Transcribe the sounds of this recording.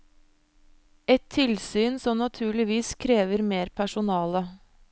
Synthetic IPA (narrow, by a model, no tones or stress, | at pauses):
ɛt̪ʰːɪlsyːnsɔmnɑt̪ʰʉːɭɪʋiːskʰɾeːʋəɾmeːɾpʰæʃʊnɑːlə